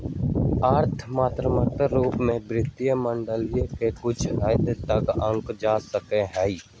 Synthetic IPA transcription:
aːɾt̪ʰmaːt̪ɾəmət̪əɾːuːpmẽbɾɪt̪ːijəmə̃ɳɖəlijẽkekʊt͡ʃʰəːd̪t̪ɐkə̃ŋkd͡ʒaːsəkeɦɛi

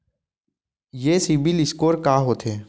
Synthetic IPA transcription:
jeːsibɪlɪskoːɾkaːɦoːt̪ʰɦeː

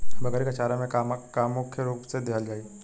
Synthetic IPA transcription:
bɐɣɛːɾikɐt͡ʃaːɾamẽkakaːmʊkʰjəɾuːpsed̪eɦəld͡ʒaːiː

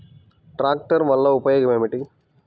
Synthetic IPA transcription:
ʈɾaːk̚ʈɐɾʋɐlːɐupɐjɐɡɐmemiʈi

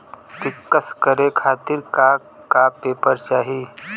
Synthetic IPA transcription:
kɪkːəskəɾekʰaːt̪ɪɾka | kapeːpəɾt͡ʃaːɦiː

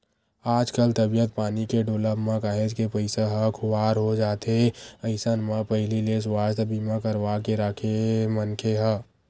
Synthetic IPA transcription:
aːd͡ʒkəlt̪əbijət̪̚paːnikeɖoːləbmãkaːɦed͡ʒkepəɪsaɦə̃kʰʊaːɾɦod͡ʒaːt̪eəɪsənmãpəɦɪliles̬waːɾt̪bimãkəɾʋakeɾakʰemənkʰeɦə̃

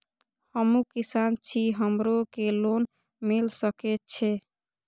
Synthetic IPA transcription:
həmukisant͡ʃʰiɦəmɾokelon | milsəket͡ʃʰe

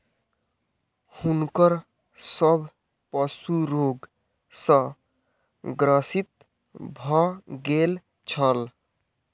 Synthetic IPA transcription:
hunkəɾ | səbʱ | pəsuɾoɡ | sə̃ | ɡɾəsit̪̚ | bʱɔɡel | t͡ʃʰəl

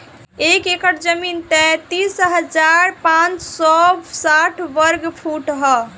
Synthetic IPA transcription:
ekekəʈd͡ʒəmint̪ɛt̪isɦəd͡ʒaɾpãt͡ʃsɔbsaʈʰʋəɾɡpʰuʈɦɔ

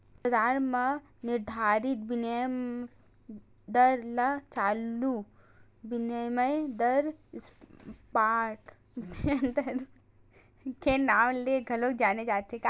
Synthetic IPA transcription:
bɐzaːɾme | nɪɾd̪ʱaːɾɪt̪̚binə | d̪ɐɾlɐt͡ʃaːlu | bɪnəjmɐjd̪ɐɾspaːʈ | eənt̪ɐɾ | kenaːmleɡʱɐlokd͡ʒaːnet͡ʃaːt̪ekaː

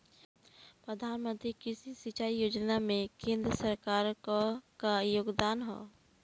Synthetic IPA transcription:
pɾəd̪ʱaːnmə̃nt̪ɾikɪsisɪt͡ʃaːijoːd͡ʒnamẽkẽːnd̪ɾəsəɾkaːɾkkajoːɡd̪aːnɦo̰ː

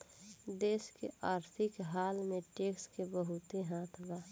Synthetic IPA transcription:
d̪eːskḛʔaːɾt̪ʰɪkɦaːlmẽʈeːkskebəɦʊt̪eɦaːt̪ʰbaː

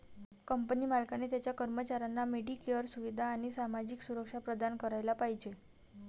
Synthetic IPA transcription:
kəmpənimalkanet̪jat͡ɕjakəɾmət͡ɕaɾanːameɽikəɾsuʋid̪ʱaːɽ̃isamad͡ʑiksuɾəkʂapɾəd̪ankəɾajlapaɦid͡ʑe

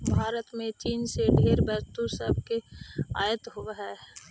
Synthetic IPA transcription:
bʱaːɾət̪mẽt͡ʃiːnseɖʱeːɾbɛɾt̪usəb̚ʱkeaːjət̪ɦoɦɛː

